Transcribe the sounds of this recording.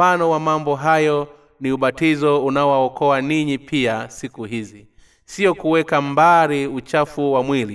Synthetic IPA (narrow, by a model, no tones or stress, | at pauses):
anɔwamambɔɦajɔ | niuɓatizɔunaɔwaɔkɔaniɲipʰiasikuɦizi | siɔkuwɛkambaɾiut͡ʃafuwamwili